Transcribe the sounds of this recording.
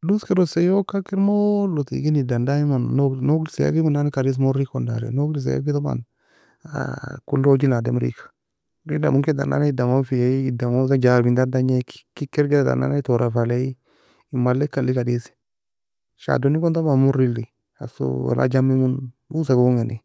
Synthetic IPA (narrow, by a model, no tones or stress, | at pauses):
duskeɾosejokːakiɾmolotḭɡinidandaimannonoɡlisea̰kimunanikaɾis̬moɾikonda̰ɾḛnoklis̬ḛja̰kitoma̰n | a̰kulːod͡ʒilademɾḭkḁ | ɾida̰muŋket̪a̰na̰naidamofijaiidamosad͡ʒaɾbind̪adaɲeki̥kikːeɾɡeɾat̪a̰na̰naitoɾafalei | imalːekalːikadisi̥ | ʃa̰donikont̪amamuɾili | a̰so̰wa̰lʔa̰d͡ʒamimun | usakoŋeni